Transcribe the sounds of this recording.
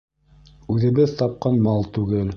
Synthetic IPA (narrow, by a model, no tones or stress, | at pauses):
ʉðɘ̆βɘðt̪ɑp̚qɑnmɑlˠt̪ʉɡɘl